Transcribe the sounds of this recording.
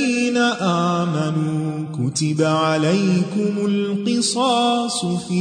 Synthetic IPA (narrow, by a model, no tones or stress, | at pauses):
iːnaʔaʕmanuː | kʊt̪ɪbaʕalajkʊmʊlqɨsˤɑːsˤfi